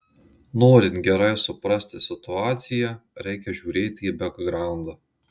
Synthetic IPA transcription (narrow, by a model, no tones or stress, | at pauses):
noːɾʲɪnt̪ɡʲɛɾɐɪsʊpɾɐsʲt̪ʲɪsʲɪt̪ʊɑːt̪sʲɪjɛɾʲɛɪkʲɛʒʲuːɾʲeːt̪ʲiːbʲɛɡɡɾɑˑʊnd̪ɐ